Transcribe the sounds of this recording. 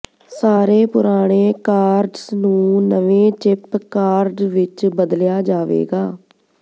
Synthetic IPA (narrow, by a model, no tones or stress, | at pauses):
saːɾeːpʊɾaːɽ̃eːkaːɾɖsnũːnəʋẽːt͡ʃɪpkaːɾɖʋɪt͡ʃbəd̪ljaːd͡ʒaːʋḛːɡaː